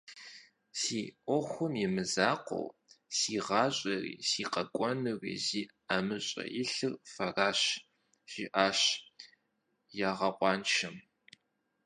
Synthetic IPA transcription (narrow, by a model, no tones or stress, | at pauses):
siːʔʷɔxʷʊmjɪmɨzaːqʷo̰wsiːʁɑːɕʼɐrḭːsiːqɐkʷʼɔnɨrḭziː | amɨɕʼɐ̰jɪɬɨrfɐraːɕ | ʒ̥iʔaːɕ | jaːʁɐqʷʼɑːnʃɐm